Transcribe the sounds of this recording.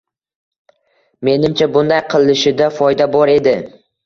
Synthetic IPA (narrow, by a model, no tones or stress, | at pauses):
me̞nɪmt͡ʃʰabʊnd̪ajqʰɨlˠɪʃɪd̪afɒjd̪abɒɾe̞d̪ɪ